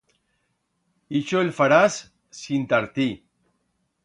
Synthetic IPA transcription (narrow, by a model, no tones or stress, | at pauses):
it͡ʃoelfaɾasː | int̪aɾt̪i